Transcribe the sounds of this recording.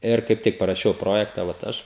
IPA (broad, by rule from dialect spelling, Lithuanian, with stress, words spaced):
ˈɪr kɐɪp ˈtʲɪk pɐrɐˈʃʲɛʊ ˈproːjɛktɐ ʋɐt ˈɐʃ